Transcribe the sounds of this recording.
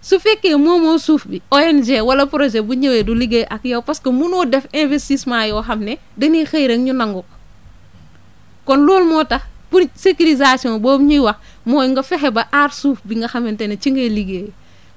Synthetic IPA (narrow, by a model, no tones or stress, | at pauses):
sufekːemoːmoːsuːfbioend͡ʒewɐlɐpɾod͡ʒebuɲeweduliɡeʔakjowpaskɐmunodefẽnvestismajoɦɐmne | denixejɾeŋɲunaŋɡok | kɔnluːlmotɐpusekilizasiõboːmɲiwɐ | moːiŋɡɐfeɦebɐʔaɾsuːfbiŋɡɐxɐmentenet͡ʃiŋɡeliɡe